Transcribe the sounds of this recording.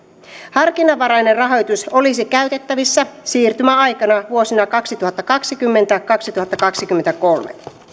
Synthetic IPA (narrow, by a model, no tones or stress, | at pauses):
hɑrkinɑʋɑɾɑjnerrɑɦo̞jt̪uso̞lisikæyt̪e̞t̪ːæʋisːæsiːrt̪ymæɑjkɑnɑʋuo̞sinɑkɑksit̪uhɑt̪ːɑkɑksikymːe̞nt̪ækɑksit̪uhɑt̪ːɑkɑksikymːent̪ækolmḛ